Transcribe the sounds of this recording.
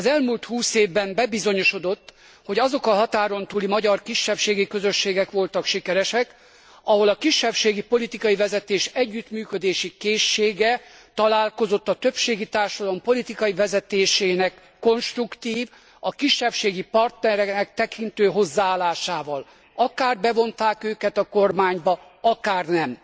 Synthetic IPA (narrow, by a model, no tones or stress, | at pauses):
ɒzɛlmuːlt̪huːseːvbɛmbɛbizo̞ɲo̞ʃo̞d̪o̞t̪ː | ho̞ɟɒzokɒɦɒt̪aːɾo̞nt̪uːlimɒɟɒrkiʃːɛpʃeːɡikøzø̞ʃːeːɡɛkʋo̞lt̪ɒkʃikɛɾɛʃɛk | ɒɦo̞lɒkiʃːɛpʃeːɡipo̞lit̪ikɒjivɛzɛt̪eːʃɛɟːyt̪myːkø̞d̪eːʃikeːʃːeːɡɛt̪ɒlaːlko̞zo̞t̪ːɒt̪ø̞pʃeːɡit̪aːrʃɒd̪ɒlo̞mpo̞lit̪ikɒjivɛzɛt̪eːʃeːnɛkːo̞nʃt̪rukt̪iːv | ɒkiʃːɛpʃeːɡipɒrt̪nɛɾɛnɛk̚t̪ɛkint̪øːɦo̞zːaaːlaːʃaːvɒl | ɒkaːrbɛvo̞nt̪aːkøːkɛt̪ɒko̞rmaːɲbɒ | ɒkaːrnɛm